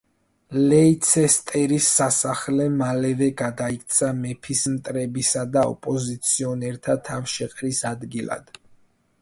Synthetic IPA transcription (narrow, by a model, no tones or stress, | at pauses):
lɛit̪sʰɛst̪ʼɛɾisːasaχlɛmalɛvɛɡad̪aik̚ʰt̪sʰamɛpʰismt̪ʼɾɛbisad̪aɔ̰pʼɔzit̪sʰiɔnɛɾt̪ʰat̪ʰafʃɛqʼɾisad̪ɡila̰d̪̥